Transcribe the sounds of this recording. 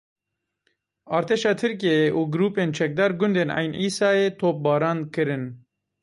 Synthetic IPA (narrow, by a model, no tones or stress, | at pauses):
ɑːɾt̪ʰeːʃɑːt̪ʰɨɾk̬iejeʔuːɡɾuːpeːnt͡ʃʰɛk̚d̪ɑːɾɡʊnd̪eːnɑ̰ːjnʔiːsɑːeːt̪ʰoːp̚bɑːɾɑːnkɨɾɨn